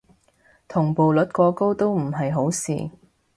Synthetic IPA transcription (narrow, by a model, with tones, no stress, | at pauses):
t̪ʰʊ˨˩ŋpo˨wlɵ˨˥t̚kɔː˨˥ko˥wt̪o˥wm̩˨˩ɦɐ˨jɦo˨˥wsḭː˨˩